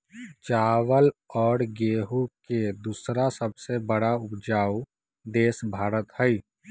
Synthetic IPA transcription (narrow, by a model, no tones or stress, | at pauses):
t͡ʃaːwəlɔːɾɡeːɦuked̪uːsɾasəbsebəɽaʊpd͡ʒaːu | d̪eːsbʱaːɾət̪hɛi